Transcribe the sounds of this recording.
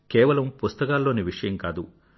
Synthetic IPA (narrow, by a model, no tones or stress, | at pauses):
kɛːʋɐlɐmpust̪ɐkaːlːo̞ːniʋiʂɐjɐmkaːd̪u